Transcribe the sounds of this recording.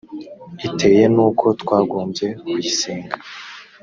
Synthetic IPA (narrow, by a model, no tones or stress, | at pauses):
ite̞je̞nuːkʰo̞tkwaːɡoːmbje̞kwiseːŋɡa